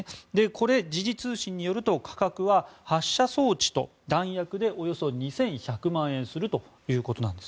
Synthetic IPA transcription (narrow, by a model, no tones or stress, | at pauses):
d̪e̞kʰo̞ɾe̞d͡ʑiʑit͡sɨːɕĩɲ̟ːijo̞ɾɯ̟t̪o̞kʰḁkakɯ̟βahaɕːaso̞ːt͡ɕi̥t̪o̞̰ | d̪ãɰ̃jakɯ̟d̪e̞ʔo̞jo̞so̞ɲ̟isẽ̞ɰ̃çakɯ̟mãɰ̃ẽ̞ɰ̃sɨɾɯ̟t̪o̞ | jɯ̟ːko̞t̪o̞nãnd̪e̞s